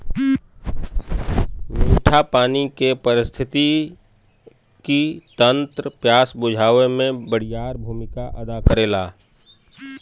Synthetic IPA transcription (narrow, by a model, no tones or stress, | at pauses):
meːʈʰapaːnikepəɾɪst̪ʰɪt̪i | kit̪ə̃nt̪ɾəpjaːsbʊd͡ʒʱaːʋemẽbəɽ̤ɪjaːɾbʱuːmɪkaʔəd̪akəɾeːlaː